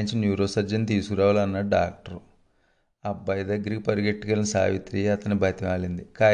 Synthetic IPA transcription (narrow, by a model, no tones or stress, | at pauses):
iɲt͡ʃinjuːɾoːsɐɾd͡ʒɐnt̪iːsukuɾaːʋaːlɐnːɐɖaːk̚ʈɐɾu | ɐbːɐjɐd̪ɐɡːɐɾikipɐɾɡeʈːukɐlɐnsa̰ːʋit̪ɾiɐt̪ɐnibʱɐt̪iʋaːlind̪ikaː